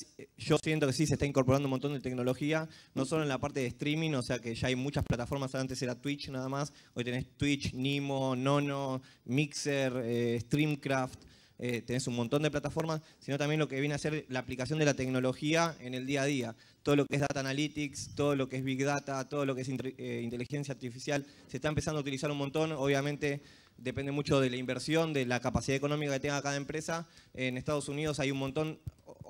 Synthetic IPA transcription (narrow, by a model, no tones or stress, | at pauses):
ʒo̞sje̞nt̪o̞ke̞sisest̪aiŋkoɾp̬oɾand̪oumõnt̪ond̪et̪ek̚no̞lo̞xiano̞so̞loenlapaɾt̪eðest̪ɾimĩno̞se̞akeʒaajmut͡ʃasplat̪afo̞ɾmasaant̪eseɾat̪wit͡ʃnaðamas | o̞jt̪e̞nest̪wit͡ʃnimono̞no | mikseɾeːst̪ɾimkɾaft̪ | et̪e̞ne̞sunmõnt̪o̞nd̪ep̬lat̪afo̞ɾmasːinot̪ambje̞nlo̞ke̞βjenease̞ɾlaːplikasjo̞nd̪e̞lat̪e̞kno̞lo̞xiae̞ne̞ld̪iað̞ia | t̪oðo̞lo̞keezðat̪aːnalit̪ikst̪o̞ð̞o̞lo̞keezβikðat̪at̪o̞ð̞o̞lo̞kees̬ineint̪e̞lixe̞nsjaːɾt̪ifisjal | se̞st̪aempesand̪out̪ilisaɾunmont̪o̞noβ̞jamẽ̞nt̪e̞ | d̪e̞pend̪e̞mut͡ʃo̞ð̞e̞laimbeɾsjo̞nd̪elakapasiðaeko̞nõ̞mikake̞t̪eŋɡakaðae̞mpɾesaenest̪að̞osunið̞o̞sajunmont̪o̞n